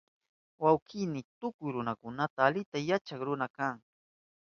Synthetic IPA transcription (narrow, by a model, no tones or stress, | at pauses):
wawkɪnɪt̪ʊkʊjɾʊnakʊnat̪aːlɪt̪ajat͡ʃaŋɾʊnakaŋ